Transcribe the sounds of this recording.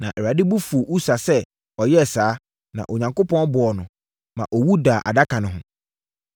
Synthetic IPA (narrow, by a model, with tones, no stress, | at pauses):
nã˨ʔɛ˨ɾa˨dɪ˦bu˦fu˨ʔu˦sa˨sɛ˦ | ɔ˨jɛ˦˨saː˦ | nã̰˨ʔo˨ɲã˨ŋko˦pʰɔ̃˦n˦bʊ˨ɔ˨nʊ̃˨ | mã˨ʔɔ˨wu˦daː˨ʔa̰˨da˦kʰã˨nʊ̃˨ɦʊ̃˨